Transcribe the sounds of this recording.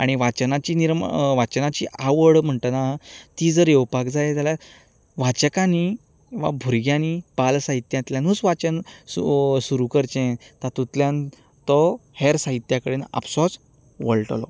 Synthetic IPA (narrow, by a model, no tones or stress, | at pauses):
aɽ̃iʋat͡ɕnat͡ɕiːniɾmʋat͡ɕənat͡ɕiːʔaʋəɽm̤əɳt̪ənat̪iːd͡zəɾjewpakd͡zaet̪ala | ʋat͡ɕəkani | ʋa̰bʱuɾɡjanipalsaɦit̪jãt̪ljãnusʋat͡ɕənusuɾukəɾt͡ɕẽt̪at̪ut̪ljãn | t̪ɔheɾsaɦit̪jakəɽenə̰psɔɾs | ʋəɭʈlɔ̰